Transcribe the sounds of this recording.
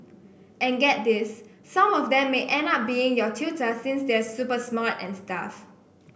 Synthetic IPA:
ɛ̃nɡɛt̚disː | ãmɔfdɛ̃mːeʔɛ̃nap̚biɪ̃ŋjɔtʰitəsĩnsdɛsupəsmatɛ̰̃nsta̰f

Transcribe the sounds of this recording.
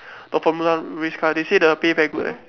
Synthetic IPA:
d̥ɔfɔmulaɹiskʰadesedəpepɛɡuʔa̰

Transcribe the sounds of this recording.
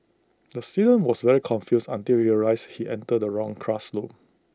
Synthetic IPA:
dəstidə̃nwɔsvɛɹikʰɔ̃nfjusã̰ntilɹiəlaɪshiʔɛ̰̃ntədəɹɔ̃ŋkʰɹaslop̚

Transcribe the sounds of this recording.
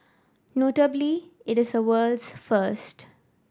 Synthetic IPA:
noːʈəbliɪʈɪzəʋəːlsfəɾsʈ

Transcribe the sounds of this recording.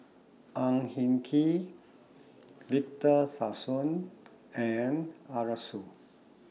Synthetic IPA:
ʔãŋhĩŋkʰi | vik̚təsasũn | ɛ̃naɹasu

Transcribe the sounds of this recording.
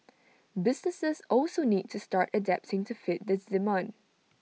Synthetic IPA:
bɪsnəsəsɔlsoniːd̚tʰustaɹtədɛp̚tɪ̃ŋtʰufɪt̚d̪ɪsdɪmɔ̃n

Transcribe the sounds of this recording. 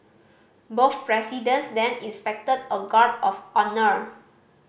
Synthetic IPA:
boθpɹɛsidə̃nsdɛ̃nĩnspɛk̚tədəɡaɹdɔfɔnəɹ

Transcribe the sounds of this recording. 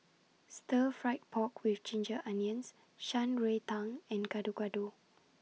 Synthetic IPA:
stəfɹaɪt̚pʰɔkwift͡ʃẽnd͡ʒəʔãniə̃ns | ʃãnɹetãŋɛ̃nɡadoɡado

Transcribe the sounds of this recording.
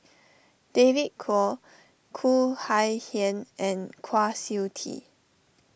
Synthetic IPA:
d̥evit̚kʰɔ | kʰuhajhɛ̃nɛ̃nkʰwasiwtʰḭ

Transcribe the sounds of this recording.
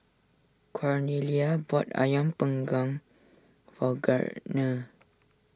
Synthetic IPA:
kʰɔɹniliabɔta̰jãmpəŋɡɔ̃ŋ | fɔɡa̰ɹnə̃

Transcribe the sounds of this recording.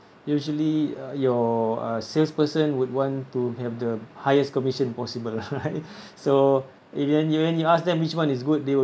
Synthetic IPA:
juʒəlijɔʌ̰sɛlspəsə̃nwud̚wɔ̃ntuhɛvdəhajəskɔmiʃə̃npɔsibəlɹajt̚ | so | ivdɛ̃njuwɛ̃njuasdɛ̃mwit͡ʃwãnis̬ɡut̚dewə

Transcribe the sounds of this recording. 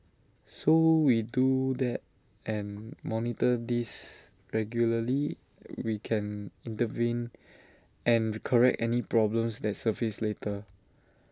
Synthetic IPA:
sowidudɛt̚ | ɛ̃nmɔnitədis | ɹɛɡjuləli | wikʰɛ̃nĩntəvĩn | ʔɛ̃nɹkʰəɹɛk̚tɛnipɹɔblə̃msdɛt̚səvisletʰə

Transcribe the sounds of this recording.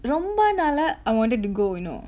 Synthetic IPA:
ɾombɐnɐlɐajʋãːnʈɨɖʈːuɡoːino̰ː

